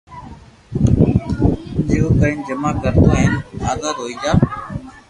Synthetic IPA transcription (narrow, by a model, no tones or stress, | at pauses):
nd͡ʒeːuːkəɪnd͡ʒəmaːkəɾt̪ʰaːɦɪnaːzaːd̪ɦoːiːd͡ʒaː